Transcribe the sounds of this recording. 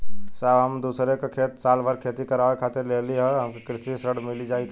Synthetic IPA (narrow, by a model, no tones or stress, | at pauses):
saɦəmd̪uːsɾekakʰeːt̪saːlbaɾkʰeːt̪ikəɾaːʋekʰaːt̪ɪɾleːliɦɛɦɐmkikɾɪsisəɽmɪlid͡ʒaːik